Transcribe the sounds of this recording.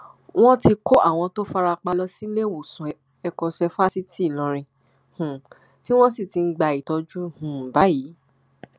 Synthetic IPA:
w̃ɔ̃˦ti˧ko˦ʔa˦˨w̃ɔ̃˧to˦fa˦ɾa˧k͡pa˧lɔ˧si˦le˦˨wo˨sũ˨ | ɛ˧kɔ̃˧sɛ˧fa˦si˦ti˦˨lɔ̃˨˧ɾ̃ĩ˧ | hũ˨ | ti˦w̃ɔ̃˦si˦˨ti˨˧n̩˦ɡ͡ba˧˨i˨tɔ˧d͡ʒu˦hũ˨ba˨˦ji˨˦

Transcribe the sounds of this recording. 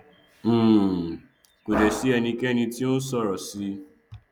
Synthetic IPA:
ko˨dɛ˨ʃi˨˦ɛ˧nĩ˧kɛ˦nĩ˧ti˦õ˦sɔ˦˨ɾɔ˨si˧˦

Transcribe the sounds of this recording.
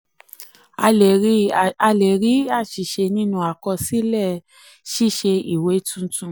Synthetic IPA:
a˧e˨ɾa˧le˨ɾi˨˦a˦˨ʃi˨ʃe˧nĩ˦nũ˧a˨kɔ˧si˦lɛ˦˨ | ʃi˦˨ʃe˧i˨we˨˦tũ˦tũ˦˧

